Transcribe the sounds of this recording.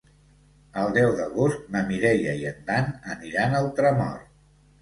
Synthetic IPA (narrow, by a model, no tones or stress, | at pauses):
əlˠd̪ɛwðəɣust̪̚nəmiɾɛjəiənd̪anəniɾanəlˠt̪ɾəmɔ̰r